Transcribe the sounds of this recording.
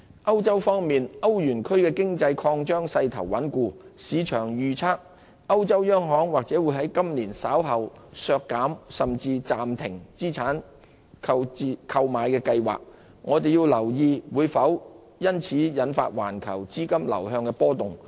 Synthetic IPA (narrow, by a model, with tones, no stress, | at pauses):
ʔɐ˥wt͡sɐ˥wfɔː˥ŋmiː˨nɐ˥wjyː˨˩nkʰɵ˥ɥkɛː˧kɪ˥ŋt͡sɐ˧jkʰɔː˧ŋt͡ʃœː˥ŋsɐ˧jt̪ʰɐ̰˨˩wwɐ˨˥nkuː˧siː˨˧t͡ʃʰœː˨˩ŋjyː˨t͡sʰaː˥k̚ | ɐ˥wt͡sɐ˥wjœː˥ŋɦɔː˨˥ŋwaː˨k̚t͡sɛː˨˥wuː˨˧jɦɐ˨˥jkɐ˥mliː˨˩nsaː˨˥wɦɐ˨wsœː˧kːaː˨˥msɐ˨mt͡siː˧t͡saː˨mt̪ʰɪ˨˩ŋt͡siː˥t͡sʰaː˨˥n | kʰɐ˧wt͡siː˧kʰɐ˧wmaː˨˧jkɛː˧kɐ˧jwa̰ː˨˩k̚ | ŋɔː˨˧t̪e˨jiː˧wlɐ˨˩wjiː˧wuː˨˧jfɐ˨˥w | jɐ˥nt͡sʰiː˨˥jɐ˨˧˥nfa̰ː˧t̚wa̰ː˨˩nkʰɐ̰˨˩wt͡siː˥kɐ˥mlɐ̰˨˩whœː˧ŋkɛː˧pɔː˥t̪ʊ˨˩ŋ